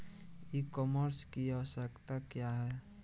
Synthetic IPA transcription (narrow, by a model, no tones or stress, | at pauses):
ikɔməɾskiasəkt̪akjaɦɛ